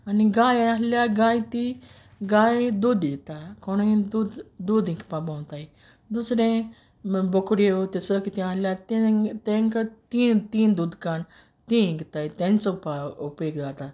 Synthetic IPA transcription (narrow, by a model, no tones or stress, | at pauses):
aniɡaːjaɦljaɡaːĩt̪i | ɡaːjd̪uːd̪it̪akonĩd̪ud̪d̪uːd̪ĩkpabawnt̪ai | d̪usɾẽ | bokɾieot̪esəkit̪ĩaljat̪et̪ẽŋkt̪iːt̪iːnd̪uːd̪kan | t̪ĩɡt̪aːit̪ẽnt͡sopaupeːkd̪aːt̪a